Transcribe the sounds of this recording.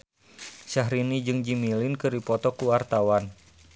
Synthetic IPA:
ʃaɦɾinid͡ʒɨŋd͡ʒimilɪnkɨɾipɔt̪ɔkuwart̪awan

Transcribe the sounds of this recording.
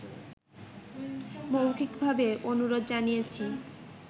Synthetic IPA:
mowkikbʱabeʔonuɾod̪d͡ʑanijet͡ɕʰi

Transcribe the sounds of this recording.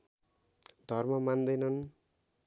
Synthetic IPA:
d̪ʱʌrmʌmand̪ʌjnʌn

